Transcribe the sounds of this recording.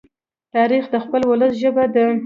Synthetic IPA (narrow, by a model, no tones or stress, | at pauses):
t̪ɑɾixd̪əxpəlwʊləsʒəbad̪ə